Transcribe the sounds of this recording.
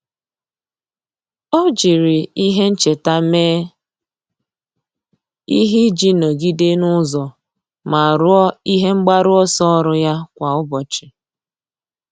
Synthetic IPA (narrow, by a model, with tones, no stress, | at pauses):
o˦d͡ʒi˨ɾi˨i˦ɦe˦n̩˦t͡ʃe˨ta˦meː˦ | i˦ɦi˦d͡ʒi˦no˨ɡi˦de˦nʊ˦zɔ˨ | ma˨ɾʊ˦i˦ɦe˦ŋ͡m̩˦ɡ͡ba˦ɾʊ˦ɔ˦sɔ˦ɔ˦ɾʊ˦ja˦kʷa˨ʊ˦bɔ˨t͡ʃɪ̥˨